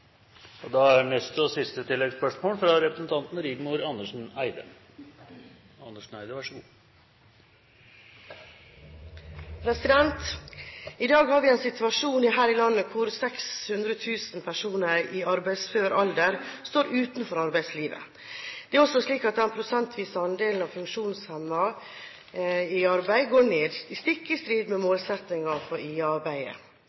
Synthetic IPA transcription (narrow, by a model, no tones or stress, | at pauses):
ɔd̪ɑæɾnɛst̪əɔsɪst̪ət̪ʰɪlːɛɡspœʂmoːɳfɾɑɾɛpɾəsn̩t̪ʰɑnt̪n̩ɾɪɡ̪mʊɾɑnːəʂn̩æɪd̪ə̰ | ɑnəʂɳ̩æɪd̪əʋæʂɔɡuː | pʰɾɛsɪd̪ɛnt̪ | ɪd̪ɑːɡhɑːɾʋɪɛːnsɪt̪ʰʉɑʂuːnɪɦæːɾɪlɑnːəkʰʊɾsɛkshʉnd̪ɾət̪ʰʉːsn̩pʰæʂuːnəɾiːɑɾbæɪsføːɾʔɑld̪əɾst̪oːɾʔʉːt̪nfɔɾɑɾbæɪsliːʋə̰ | d̪̥ɛæɾɔsɔʂliːkɑt̪̚d̪ɛnpʰɾʊsɛnt̪ʰʋiːsəɑnd̪eːln̩ɑʋfʉŋkʃuːnshɛmːɑ | ɪɑɾbæɪɡoːɳeːd̪ist̪ɪkːəst̪ɾiːd̪memoːlsɛt̪nɪŋɑfɔɾiːɑɾbæɪə̰